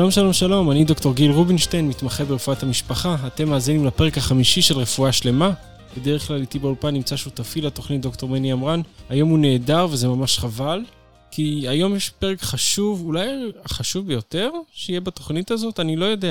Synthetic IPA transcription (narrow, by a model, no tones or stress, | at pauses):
alo̞mʃalo̞mʃalo̞manid̪o̞kto̞ʁɡilʁubinʃtejnmit̪maχebeʁefuathamiʃpaχaːte̞mːaːzinimlape̞ʁekaχamiʃiʃe̞lʁefuaʃle̞ma | b̥edeʁeχklalit̪ibeulpanːimt͡saʃut̪afilato̞χnit̚d̪okto̞ʁmeniamʁanajo̞mune̞ːdaʁvezemamaʃχaval | kʰiajo̞mjeʃpe̞ʁekχaʃuvulajaχaʃuvbejo̞te̞ʁʃeijebatoχnitazo̞tanilo̞jo̞de̞a